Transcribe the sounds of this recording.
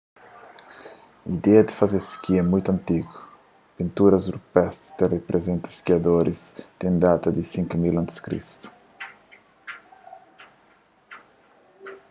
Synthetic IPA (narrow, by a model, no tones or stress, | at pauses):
ḭd̪ɛɐd̪i̥fazeskiɛmũjt̪uɐ̃nt̪iɡʊ | pĩnt̪uɾɐzuɾpɛst̪st̪erepɾʔezẽnt̪ɪ̥skiɐd̪oɾʔist̪ẽñd̪at̪ɐd̪isĩŋkumilɐ̃nt̪i̥skɾḭst̪u̥